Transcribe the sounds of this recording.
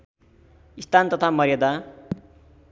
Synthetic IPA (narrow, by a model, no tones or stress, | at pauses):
ist̪ant̪ʌt̪ʰamʌɾjʌd̪a